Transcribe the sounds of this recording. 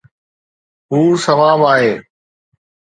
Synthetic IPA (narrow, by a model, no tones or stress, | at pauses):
ɦuːsəʋaːʋaːɦeː